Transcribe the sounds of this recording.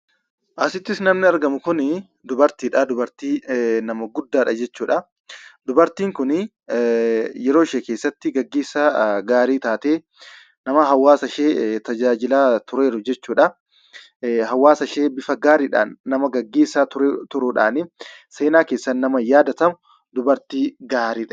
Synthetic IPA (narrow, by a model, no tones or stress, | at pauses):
ʔɐsɪt̪ːɪsnɐmnɪɐɾɡɐmʊkʊnɪ | d̪ʊbɐɾt̪iːᶑad̪ʊbɐɾt̪iːnɐmɐɡʊd̪ːaːᶑɐd͡ʒɛt͡ʃːuːᶑɐ | d̪ʊbɐɾt̪iːŋkʊnɪ | jɛɾo̞ːɪʃeːkeːsːɐt̪ːɪɡɐɡːe̞ːsːaɡaːɾiːt̪aːt̪eː | nɐmɐɦɐwːaːsɐʃeːt̪ɐd͡ʒaːd͡ʒɪlaːt̪ʊɾe̞ːɾʊd͡ʒɛt͡ʃːuːᶑɐ | ɦɐwːaːsɐʃeːbɪfɐɡaːɾiːᶑa̰ːnːɐmɐɡɐɡːe̞ːsːaːʊɾt̪ʊɾʊᶑa̰ːnɪse̞ːnaːkeːsːɐnːɐmɐjaːd̪ɐt̪ɐmʊ | d̪ʊbɐɾt̪iːɡaːɾiːᶑɐ̥